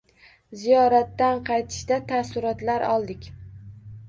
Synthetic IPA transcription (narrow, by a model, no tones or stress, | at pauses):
zijɒɾat̪ːanqʰɑjt̪ʰɪ̥ʃd̪at̪ʰasʊɾɒt̪laɾɒlˠd̪ɪkʲ